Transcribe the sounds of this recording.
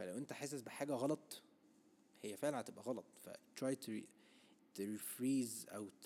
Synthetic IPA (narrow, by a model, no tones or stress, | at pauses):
fælæwʔent̪æħeːs̬esbeħaːɡæɣɑlɑt̪ˤ | hejːæfeʕlæhæt̪ebʔæɣɑlɑt̪ˤfæ̰t̪ɾˤɑːjt̪eɾi | t̪eɾifɾiːzʔæ̰w̪